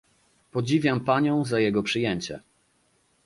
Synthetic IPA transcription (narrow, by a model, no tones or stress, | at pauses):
pɔd͡ʑivʲjampaɲɔ̃w̃zajɛɡɔpʂɘjɛɲt͡ɕɛ̰